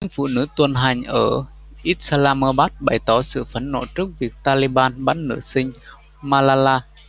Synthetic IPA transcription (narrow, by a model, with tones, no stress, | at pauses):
ɲɨ̰˧˥ŋfṵ˧˨nɨ̰˧˥t̪wə˨˩nɦa˨˩jŋ̟ʔəː˧˩ | ʔi˦˥t̚saː˧laː˧məː˧ɓaː˦˥t̚ɓa˧˩jt̪ɔ˨˦sɨ̰˧˨fə˨˦nːo̰˧˩t͡ɕɨ˦˥k̚vi˨˩ək̚t̪aː˧li˧ɓaː˧nɓa˦˥n̚nɨ̰˧˥sï˧ŋ̟ | maː˧laː˧laː˧